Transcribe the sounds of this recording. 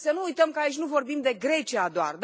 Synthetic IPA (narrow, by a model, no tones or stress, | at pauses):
sənuːujt̪əmkəait͡ʃʲnuvo̞rbimd̪e̞ɡɾe̞t͡ʃiad̪oa̰rd̪